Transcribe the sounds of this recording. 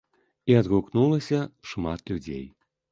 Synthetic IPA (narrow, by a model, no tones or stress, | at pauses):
iɑd̪ɣuknulˠəsʲɐʃmɑt̪lʲudʲḛj